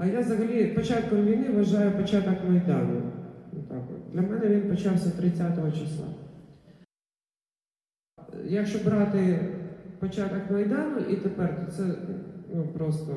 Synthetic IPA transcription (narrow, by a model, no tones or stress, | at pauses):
ɐjazɐɦɐlʲipɔt͡ʃat̪̚kɔmʋʲijnɪʋʋɐʒɑjʊpɔt͡ʃat̪ɔkmɐjd̪ɑnʊt̪ɑkɔ̰d̪lʲɐmɛnɛʋʲinpɔt͡ʃɑwsʲɐt̪ɾɪt͡sʲːat̪ɔɦɔt͡ʃɪslˠɑ̰ | jɐkʃt͡ʃɔbɾɑt̪ɪ | pɔt͡ʃat̪ɐkmɐjd̪ɑnʊʔit̪epɛrt̪ɔt̪sɛnupɾɔst̪ɔ